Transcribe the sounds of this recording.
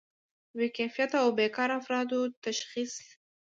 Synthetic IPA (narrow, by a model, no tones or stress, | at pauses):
wikajfijat̪awbekɑɾafɾɑd̪ot̪aʃxis